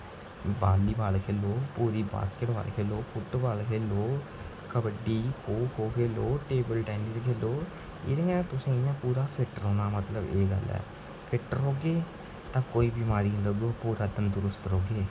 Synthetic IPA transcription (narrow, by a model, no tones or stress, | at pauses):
baːliːbaːlkʰeːloːpuːɾiːba̰ːskeːʈba̰ːlkʰeːloːkʊʈːbaːlkʰeːloː | kəbəɖiːkʰoːkʰoːkʰeːloːʈeːbəlʈɛːniskʰeːloː | ḛːɾẽɛɛːt̪ʊsãːãːpuːɾaːpʰɪʈəɾoːnaːmət̪ləbeːɡə̰lɛ̰ː | pʰɪʈɾɦoːɡeː | t̪ãːkoːiːbiːmaːɾiːnːləɡoːpuːɾaːd̪ənd̪ʊɾʊst̪ɦoːɡeː